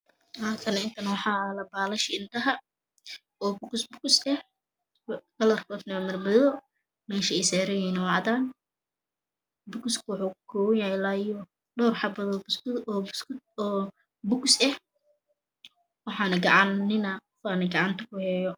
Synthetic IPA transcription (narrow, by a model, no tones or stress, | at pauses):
haːk̪ʰɐnɐɪnt̪ʰɐnɐwɑħɑːlɐbaːlɐʃɪɪnt̪ʰɐɦɐ | ɔːbʊksbʊksɛ | ɡɐlɐrkʰɔːd̪nɐwmɐrmɐðɔ | mɛːʃɐɛjsɛːɾɛjɛnɐwɑʕd̪aːn | bʊkskʰʊwʊħuːkʰʊ̥kʰɔːwɐjahɛlaːjɔ | ɖɔːrħɑbɐðɔbʊs | ɔː | bʊksɛh | wɑħɑːnɐɡɑʕɑnːɪnaqɔfaːnɐɡɑʕɑnt̪ʰɐkʰʊhɛːjɔ